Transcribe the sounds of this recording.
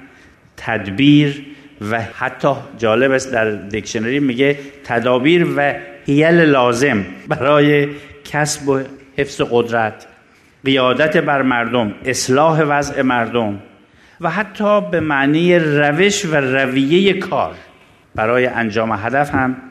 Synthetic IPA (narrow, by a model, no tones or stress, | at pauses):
t̪ʰæd̪biːɾvæhæt̪ʰːɒːd͡ʒɒːle̞bæsd̪æɾd̪ekʃoneɾiːmiɡet̪ʰæd̪ɒːbiːɾvæhijælelɒːze̞mbæɾɒːjekʰæsbohe̞fz̥eɣod̪ɾæt̪ | ɢijɒːd̪æt̪ʰebæɾmæɾd̪omeslɒːɦe̞væze̞mæɾd̪om | væɦæt̪ʰːɒːbemæʔniːjeræve̞ʃværævijejekʰɒ̰ːɾ | b̥æɾɒːjeʔænd͡ʒɒːmeɦæd̪æfhæm